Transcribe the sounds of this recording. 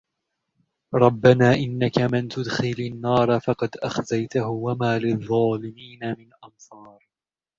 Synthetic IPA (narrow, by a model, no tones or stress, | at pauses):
ɾˤɑbːanaːʔɪnːakamɪnt̪ʊd̪xɪlanːɑːɾˤɑfɑqɑd̪ʔaxzajt̪aɦʊwamaːlɪðˤːɑːlɪmiːnamɪnʔɑnsˤɑːɾ